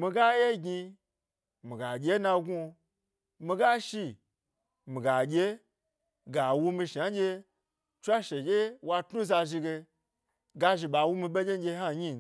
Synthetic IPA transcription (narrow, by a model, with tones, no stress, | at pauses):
mi˧ɡa˦je˦ɡʲi˧ | mi˨ɡa˨ɡʲe˦nã˧ɡu˧ | mi˧ɡa˦ʃi˧ | mi˨ɡa˨ɡʲe˦ | ɡa˨wu˦˧mi˧ʃa˨˦ɡʲe˧ | t͡ʃʷa˦ʃe˨ɡʲe˦wa˧tnu˦za˧ʒi˧ɡe˧ | ɡa˦ʒi˧ɓa˨wu˦mi˧ɓe˦d͡ʒʲe˦ɡʲe˧˦ɦa˦ɲi˦˨